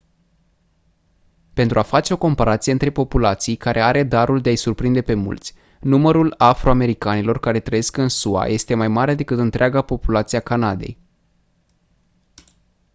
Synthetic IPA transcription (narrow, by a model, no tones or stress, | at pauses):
pe̞nt̪ɾʔuafat͡ʃe̞o̞ko̞mpaɾat̪sieɨnt̪ɾe̞po̞pulat̪sijkaɾʔe̞aɾe̞d̪aɾuld̪eajsurpɾind̪e̞pe̞mṵlt̪sʲ | numəɾulafɾoame̞ɾikanilo̞rkaɾe̞t̪ɾəje̞skɨnsua̰jʔe̞st̪e̞majmaɾe̞d̪e̞kɨt̪ɨnt̪ɾeaɡapo̞pulat̪siakanad̪e̞̰j